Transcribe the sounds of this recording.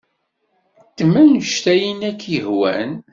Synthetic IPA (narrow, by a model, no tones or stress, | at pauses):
t̪ːmænəʃt̪æjənækːjəhwæ̰n